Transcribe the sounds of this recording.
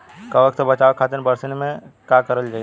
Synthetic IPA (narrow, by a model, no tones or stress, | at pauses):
kaʋɐkt̪bɐt͡ʃaːʋkʰaːt̪ənbɐɾsɪnmẽkjakɐɾəld͡ʒaːi